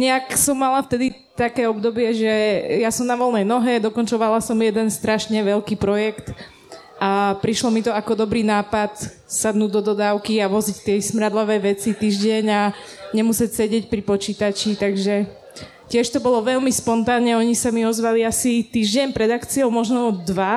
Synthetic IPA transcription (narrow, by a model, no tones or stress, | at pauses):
ɲɛaksɔmːalaft̪ɛd̪i | t̪akɛːɔbd̪ɔbɪɛʒɛjasɔmnaʋɔlnɛjnɔɦɛd̪ɔkɔnt͡ʃɔʋalasɔmjɛd̪ɛnst̪ɾaʃɲɛʋɛlkiːpɾɔjɛkt̪ | ʔapɾiʃlɔmit̪ɔakɔd̪ɔbɾiːnaːpat̪ | sad̪nuːdd̪ɔd̪ɔd̪aːʊkiaʋɔzict̪ɪɛsmɾad̪laʋɛːʋɛt͡sit̪iːʒɟɛɲaɲɛmusɛcsɛɟɪɛcpɾipɔt͡ʃiːt̪at͡ʃit̪aɡʒɛ | cɪɛʃt̪ɔbɔlɔʋɛʎmispɔnt̪aːnɲɛɔɲisamiɔzʋaliasit̪iːʒɟɛɲpɾɛd̪akt͡siɔʊmɔʒnɔd̪ʋa